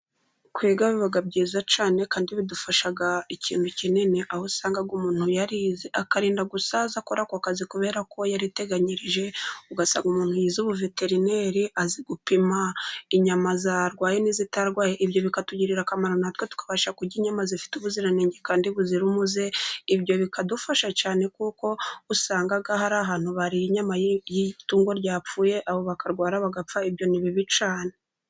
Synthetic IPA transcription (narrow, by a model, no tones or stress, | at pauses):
kwiːɡaβeβaɡabɟiːzat͡ʃaːne̞kaːndiβidufaʃaɡaicḭːnducinineʔahosaːŋɡaɡomuːn̥hujaɾizeakaɾiːndaɡusazakoɾakwakazikuβe̞ːɾakʰo̞jaɾite̞ɡaɲiɾiʒe̞uɡasa̰ːŋɡumuːn̥hujizuβuve̞te̞ɾine̞ɾiʔaziɡupimaiɲamazaɾɡwaːjeniːzitaɾɡwaːjeʔibɟo̞βikatuɟiɾiɾakamaɾonatwetu̥kḁβaʃakuɾɟiɲamazifi̥tuβuziɾaniːɲɟekaːndiβuziɾumuze̞ibɟo̞βikadufaʃacaːne̞kuːko̞usaːŋɡaɡaɦaɾaɦaːn̥huβaɾiiɲamajjituːŋɡo̞ɾɟaːp͡fuːje̞ʔaβo̞βakaɾɡwaːɾaβaɡap͡faibjo̞niβiβit͡ʃaːne